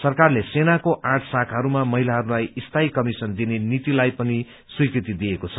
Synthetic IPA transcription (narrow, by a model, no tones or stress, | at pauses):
sʌrkarlesenakoʔãʈʰsakʰɦʌɾumamʌɦilaɦʌɾulajist̪ʰaikʌmisʌnd̪inenit̪ilajpʌni | swikɾit̪id̪iekot͡sʰʌ